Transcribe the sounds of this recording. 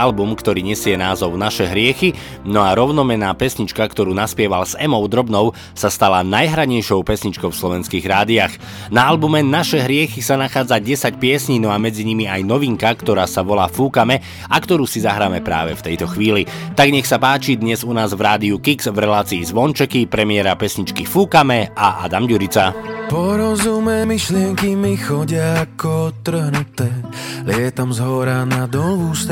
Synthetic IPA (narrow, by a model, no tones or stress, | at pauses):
albumkt̪ɔɾiːɲɛsɪɛnaːzɔʊnaʃɛɦɾɪɛxi | nɔaɾɔʊnɔmɛnaːpɛsɲit͡ʃkakt̪ɔɾuːnaspɪɛʋalz̥ɛmɔʊd̪ɾɔbnɔʊ | sast̪alanajɦɾaɲɛjʃɔʊpɛsɲit͡ʃkɔʊfslɔʋɛnskiːɣɾaːd̪iax | naalbumɛnaʃɛɦɾɪɛxisanaxaːd͡zaɟɛsacpɪɛsɲinɔamɛd͡ziɲimiajnɔʋiŋkakt̪ɔɾaːsaʋɔlaːfuːkamɛ | akt̪ɔɾuːsizaɦɾaːmɛpɾa̰ːʋɛ̰ft̪ɛjt̪ɔxʋiːlit̪aɡɲɛxsapaːt͡ʃid̪ɲɛzunaːzvɾaːd̪iukiɡz̥vɾɛlaːt͡siːzʋɔnt͡ʃɛkipɾɛmiɪɛɾapɛsɲit͡ʃkifuːkamɛʔaʔa̰d̪amɟuɾit͡sapɔɾɔzumɛːmiʃlɪɛŋkimixɔɟɪakɔt̪ːr̩ɦnut̪ɛː | lɪɛt̪amzɦɔɾanad̪ɔluːst̪